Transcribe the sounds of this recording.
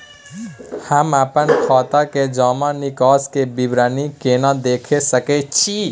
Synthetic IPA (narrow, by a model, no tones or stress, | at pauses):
həmapənkʰɔt̪aked͡ʒɔmanikɔskebibɾanikenad̪ekʰesəkɛt͡ʃʰi